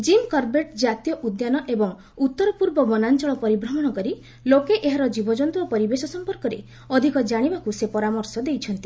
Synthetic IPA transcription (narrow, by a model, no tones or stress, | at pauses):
d͡ʒimkɔɾbeʈd͡ʒat̪jɔʔud̪janɔʔebɔŋ | ut̪ːɔɾɔpuɾbɔbɔnant͡ʃɔɭɔpɔɾibɾɔmɔɽ̃ɔkɔɾi | lokeʔeɦaɾɔd͡ʒibɔd͡ʒɔnt̪uɔpɔɾibesɔsɔmpɔɾkɔɾe | ɔd̪ʱikɔd͡ʒaɽ̃ibakusepɔɾamɔɾsɔd̪ejt͡ʃʰɔnt̪i